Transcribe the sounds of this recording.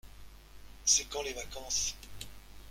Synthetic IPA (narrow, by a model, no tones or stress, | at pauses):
sɛkɑ̃levakɑ̃s